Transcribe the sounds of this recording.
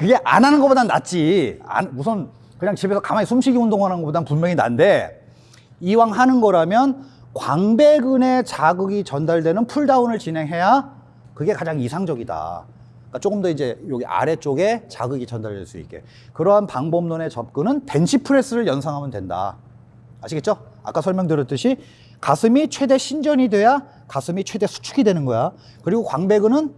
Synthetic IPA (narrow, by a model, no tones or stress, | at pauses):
kɯɡe̞ʔa̰nanɯnɡʌpodana̰t͡ɕ͈ia̰nmusʰʌn | kɯɲaŋt͡ɕibe̞sʰʌkamaisʰumɕʰiɡiondoŋɦananŋɡʌpodanpummjʌŋina̰nde̞ | iwaŋɦanɯnɡʌɾamjʌn | kwaŋbe̞ɡɯne̞t͡ɕaɡɯɡit͡ɕʌndaɭdwe̞nɯnpʰuɭdaunɯɭt͡ɕinɦe̞ŋɦe̞ja | kɯɡe̞kad͡ʑaŋisʰaŋd͡ʑʌɡida̰ | k͈at͡ɕ͈oɡɯmdʌid͡ʑe̞joɡiʔa̰ɾe̞t͡ɕ͈oɡe̞t͡ɕa̰ɡɯɡit͡ɕʌndaɭdwḛɭs͈uḭk͈e̞̰ | kɯɾʌɦanpaŋbomnone̞t͡ɕʌp̚k͈ɯnɯnpe̞nɕʰipʰɯɾe̞s͈ɯɾɯɭjʌnsʰaŋɦamɯndwe̞nda̰ | aɕʰiɡe̞t̚t͡ɕ͈o | a̰k͈asʰʌɭmjʌŋdeɾʌt͈ɯɕʰi | kasʰɯmit͡ɕʰwe̞de̞ɕʰind͡ʑʌɲidwe̞ja | kasʰɯmit͡ɕʰwe̞de̞sʰu̥t͡ɕʰuɡidwe̞nɯnɡʌja | kɯɾiɡokwaŋbe̞ɡɯnɯn